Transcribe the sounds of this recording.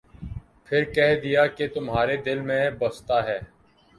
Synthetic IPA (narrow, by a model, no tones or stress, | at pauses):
pʰɪɾkɛɦd̪ɪjaːket̪ʊmɦaːɾed̪ɪlmẽbəst̪aːɦɛː